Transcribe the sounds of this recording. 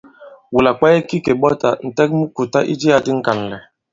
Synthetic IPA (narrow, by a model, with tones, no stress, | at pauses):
wu˨la˨k͡pa˦jɛ˦ki˦ke˨ɓɔ˦ta˨n̩˨tɛ˦k̚mu˦ku˨ta˦ʔi˦d͡ʒi˦a˨di˦ŋ̩˦ka˨n̩˨lɛ˨